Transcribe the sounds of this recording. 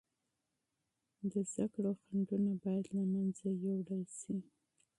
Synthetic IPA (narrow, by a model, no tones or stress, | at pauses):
d̪əzd̪akɽoxaɳɖunabɑjad̪lamanzajowɽalsi